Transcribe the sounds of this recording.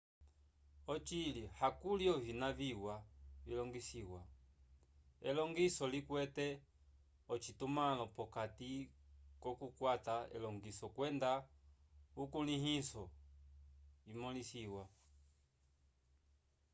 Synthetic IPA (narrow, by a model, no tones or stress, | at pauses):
ɔt͡ʃilihakuliɔvinaviwavilɔŋɡisiwa | ɛ̰lɔŋɡisɔlikwɛtɛ | ɔt͡ʃitumalɔpɔkatikɔkukwataɛ̰lɔŋɡisɔkwɛnda | ukuliɦisɔ | imɔlisiwa